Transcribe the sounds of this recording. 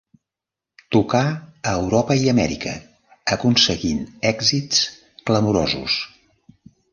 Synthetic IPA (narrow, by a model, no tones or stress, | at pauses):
t̪ukaəːwɾɔpəiəmɛ̰ɾikə | əkunsəɣinɛɡzit͡s | kləmuɾo̰zṵs